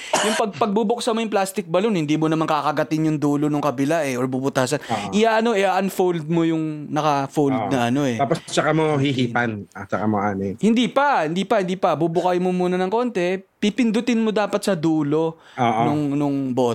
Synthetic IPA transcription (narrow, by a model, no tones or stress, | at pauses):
jʊŋpɐɡ̚pɐɡ̚bubʊksɐmojʊŋplast̪ɪk̚bɐlonhɪnd̪iːmonɐmaŋkaːkɐɡɐt̪ɪnjʊŋd̪uːlo̞nʊŋkɐbɪlaʔɛʔoɹbubʊt̪aːsɐnʔɪjaʔɐno̞ʔɛʔɐʔɐnfowld̪̚mojʊŋnɐkɐfowld̪nɐʔɐno̞ʔɛaːposɐt͡ʃɐkamohiɦiːpanɐt͡ʃɐkamoʔaːnɛhɪnd̪iːpɐhɪnd̪iːpɐhɪnd̪iːpɐbubʊkajmomuːnɐnɐŋko̞nt̪ɛpipɪnd̪ʊt̪ɪnmod̪aːpɐt̪̚sɐd̪uːlo̞ | oːʔnʊŋnʊŋbo̞t̪